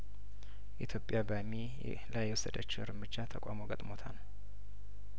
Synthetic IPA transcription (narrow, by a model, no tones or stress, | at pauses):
ʔit̪ʰjo̞pʼjabəmi | lajːɛwɔsːəd̪ət͡ʃːɪɾɨmɨd͡ʒːat̪ʰəkʼa̰mo̞ɡət̪ʼmo̞t̪ʰan